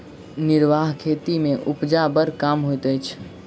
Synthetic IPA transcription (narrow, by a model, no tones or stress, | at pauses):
nɪɾʋaɦkʰet̪imẽʔupd͡ʒabəɾkamɦojt̪əjt͡ʃʰ